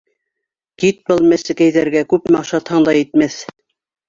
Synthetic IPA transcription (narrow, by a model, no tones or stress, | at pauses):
kit̪̚bɤlˠmæsɘ̆kæjðæɾɡækʉpmɑʃɑt̪hɤɴd̪ɑjɘ̆t̪mæθ